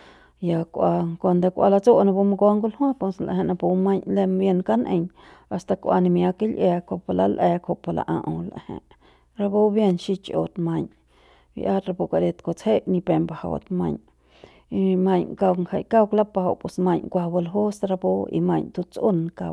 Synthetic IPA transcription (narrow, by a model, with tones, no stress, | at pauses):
ja˨kʷa˧kʷa˧nd̪a˧kʷʔa˧la˧t͡so˦nã˧bu˧ma˧ɡo˧˦ŋɡu˦lhõ˦po˧sla̰˨˧hẽ˧ʔna˧pu˧ma˦ɲle˧mbje˧nka˦nʔe˧ɲ | a˧st̪a˧kʷa̰˧ni˧mja˧ki˦lʔa˧kʷo˧pa˧la˧lʔe˧kho˨ʔpa˧lʔa̰˧ʔã˧ʔo˧la̰˨hḛ̃˨ʔ | ɾa˧bo˦bje˦˧nʃi˦t͡ʃo̰˧˨t̪mã˧ɲ | bḭ˧ʔa˦ɾa˧po˧ka˧˨ɾe˧t̪ko˧t͡she˦ʔnĩ˧pe˧mba˨ha̰˧˨wt̪mã˧ɲ | i˧mã˧ɲka˧wŋa˧˨jka˦wkla˦pa˧ha˧wpwe˨smã˧ɲŋkʷa˧bo˧lɦo˦sɾa˧bo˦ḭ˧mã˧ɲt̪u˧t͡sʔu˦nka̰˧w